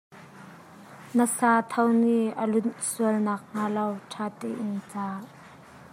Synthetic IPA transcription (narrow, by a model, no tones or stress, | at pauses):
nəsaːt̪ʰɐwniʔəlʊnsuəlnaːk̚ŋalɐwʈʰaːt̪ɛːʔɪnt͡saːʔ